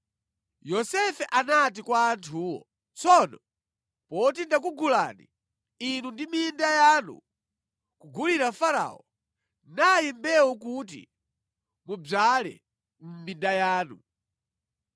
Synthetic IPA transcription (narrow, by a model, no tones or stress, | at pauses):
jɔsɛfɛʔanat̬ikwaːntʰuːwɔ̰ | t͡sɔnɔ | pɔt̬indak̬uɡula̰nḭ | inundimindajaːnṵ | kuɡuliɾafaɾa̰ɔ | najimbɛwɔkut̬ḭ | mub͡ʐalɛ̰ | m̩mindajaːnu